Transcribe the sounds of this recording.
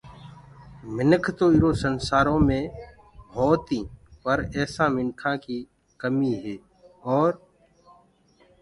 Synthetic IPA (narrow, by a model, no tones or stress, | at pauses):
mɪnəkʰt̪oːɪɾoːsənsaːɾõːmẽː | bʱɔːt̪ĩːpəɾɛːsãːmɪnkʰãːkiː | kəmiːɦɛː | ɔːɾ